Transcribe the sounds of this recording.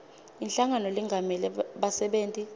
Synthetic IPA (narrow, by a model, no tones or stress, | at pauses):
inɬaŋanɔliŋɡʱamɛlɛɓasɛɓeːntʼi